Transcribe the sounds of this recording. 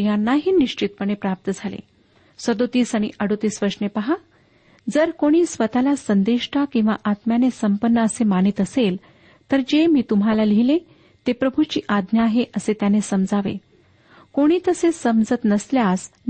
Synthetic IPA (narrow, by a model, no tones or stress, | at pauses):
janːaɦiːniʂt͡ɕit̪̚pəɽ̃epɾap̚t̪əd͡zʱalḛ | səd̪ot̪iːsaɽ̃iʔəɽot̪iːsʋəɾʂɳepəɦa | d͡zəɾkoɽ̃iːsʋət̪alasənd̪eʂʈʰakĩw̃ʋaʔat̪mjanesəmpənːəəsemanit̪əsel | t̪əɾd͡ʑemiːt̪um̤ɦalaliile | t̪epɾəbʱut͡ɕiːʔad̪njaːɦeʔəset̪janesəmd͡zaʋḛ | koɽ̃iːt̪əsesəmd͡zət̪nəsljas